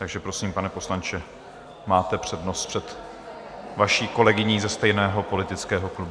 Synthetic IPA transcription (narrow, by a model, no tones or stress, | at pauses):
t̪aɡʒɛpɾo̞siːmpanɛpo̞slant͡ʃɛ | maːt̪ɛpr̝̥ɛdno̞st̪pr̥ɛt̪ | vaʃiːko̞lɛɡɪɲiːzɛst̪ɛjnɛːɦo̞po̞lɪt̪ɪt͡skɛːɦo̞klub